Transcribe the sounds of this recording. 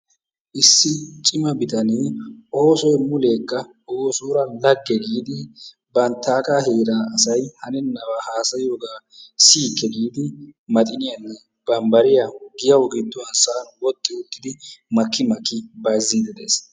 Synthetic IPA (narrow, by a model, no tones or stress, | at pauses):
ʔɪsːɪt͡ʃʼɪmɐbɪt̪ɐnɪʔoːsɔjmʊle̞ːkːɐ | oːsuːɾɐnlɐɡːɛɡiːd̪ɪ | bɐnt̪ːaːkʼaːheːɾaːɐsɐjhɐnɛnːɐwaːhaːsɐjɪjoːɡaː | siːkʰːɛɡiːd̪ɪmɐt̪ʼɪnɪjɐnːɛ | b̥ɐmbɐɾɪjaɡɪjɐwɔɡɪd̪ːɔwɐnsɐːnwɔt̪ʼːɪʊt̪ːɪd̪ɪmɐkːɪmɐkːɪbɐjziːd̪ɛd̪ḛːs